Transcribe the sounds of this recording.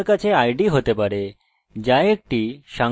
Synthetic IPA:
kat͡seajɖiɦot̪epaɾe | d͡ʑajek̚ʈiɕã

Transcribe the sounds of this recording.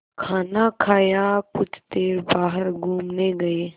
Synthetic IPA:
kʰaːnakʰaːjakʊt͡ʃʰt̪eːɾbaːɦəɾɡʱuːmneɡəe

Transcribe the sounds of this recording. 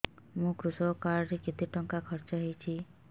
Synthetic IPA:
mũkɾusɔkaɾɾikit̪iʈɔŋkakʰɔɾt͡ʃɔɦejt͡ʃʰi

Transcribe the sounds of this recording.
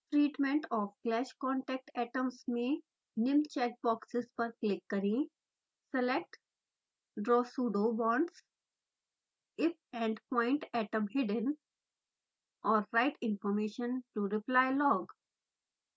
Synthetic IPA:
ʈɾiːʈmẽɳʈɔːfklɛʃkɔ̃ːɳʈɛk̚ʈɛːʈə̃msmẽ | nɪ̃mt͡ʃɛːk̚bɔːksɪzpəɾklɪkːəɾĩ | sɛlek̚ʈ | ɖɾɔːsuːɖobɔ̃ːɳɖs | ɪp̚ɛ̃ɳɖpɔ̃ːɪ̃ɳʈɛːʈə̃mɦɪɖə̃n | ɔːɾːaɪʈɪ̃nfɔɾmeːʃə̃nʈuɾɪplaɪlɔːɡ

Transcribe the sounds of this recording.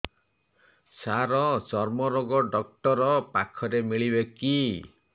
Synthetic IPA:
saɾɔt͡ʃɔɾmɔɾoɡɔɖɔk̚ʈɔɾɔpakʰɔɾemiɭibeki

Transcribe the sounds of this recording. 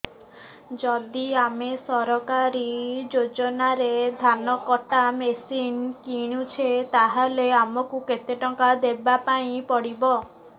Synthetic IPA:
d͡ʒɔd̪iamesɔɾɔkaɾid͡ʒod͡ʒɔnaɾed̪ʱanɔkɔʈ̪amesinkiɽ̃ut͡ʃʰet̪aɦaleamɔkuket̪eʈɔŋkad̪ebapaĩpɔɽibɔ

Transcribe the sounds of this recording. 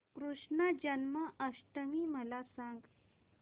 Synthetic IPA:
kɾuʂɳəd͡ʑənməʔəʂʈəmiːməlasãŋɡ

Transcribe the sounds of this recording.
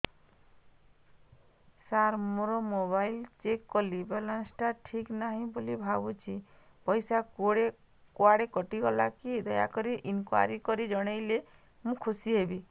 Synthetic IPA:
saɾmoɾɔmoβajlt͡ʃekːɔlibelansʈaʈʰiknaɦĩbolibʱabut͡ʃʰi | pɔjsakoɽe | kuaɽekɔʈiɡɔlakid̪ɔja̰kɔɾiʔinkwa̰ɾikɔɾid͡ʒɔɽ̃ajle | mũkʰusiɦebi

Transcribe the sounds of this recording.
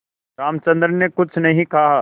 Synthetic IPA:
ɾaːmt͡ʃɐ̃nd̪ɾnekʊt͡ʃʰnɐɦĩkaɦa

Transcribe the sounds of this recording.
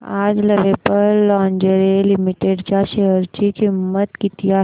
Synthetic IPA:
ad͡zləʋepəɾlɔɲd͡ʑəɾelimiʈeɖt͡ɕjaɕeəɾt͡ɕiːkimːət̪kit̪ia

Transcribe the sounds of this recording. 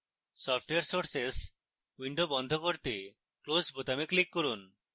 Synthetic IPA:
sɔp̚ʰʈeaɾsoɾses | wiɳɖobɔnd̪ʱokoɾt̪e | klosbot̪ameklikːoɾun

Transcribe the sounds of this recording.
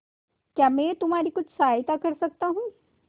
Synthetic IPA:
kjaːmɛ̃ːt̪ʊmɦaːɾikʊt͡ʃʰsaːjt̪akɐɾsɐk̚t̪aɦũː

